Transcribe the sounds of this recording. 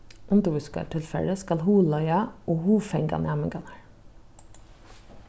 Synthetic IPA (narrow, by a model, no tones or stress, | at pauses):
ʔʊnd̪ʊʋʉskɑ̰ʈʰɪlfɛ̰ləskɑlhuːlœʏɑʔoːhuːfɛŋɡɑ̰nɑməŋɡɑnæɹ